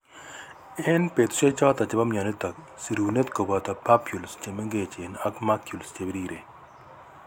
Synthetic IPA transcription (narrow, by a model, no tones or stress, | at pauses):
enpet̪ʰu̥ʃet͡ʃaːt̪ɐt͡ʃebɐmjanit̪ɐk | siɾuːnet̪kobat̪ɐpapʰjulst͡ʃemeŋɡeːt͡ʃenɐkmakʰjulst͡ʃebiɾiːɾe